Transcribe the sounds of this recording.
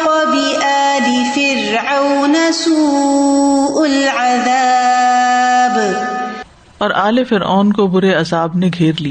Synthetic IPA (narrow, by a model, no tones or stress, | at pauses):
ɔbɪʔaːlifɪɾʕawnasuː | ʔʊlʕaða | b | ɔːɾʔaːlefɪɾa̰ːnkobʊɾeɐzaːbneɡʱeːɾlia